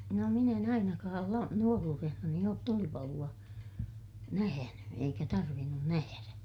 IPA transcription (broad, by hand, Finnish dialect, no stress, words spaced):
no min en ɑinɑkɑːl lɑ nuoruːrehnɑni oːt tulipɑluɑ næhæny eikæ tɑrʋinːun næhæræ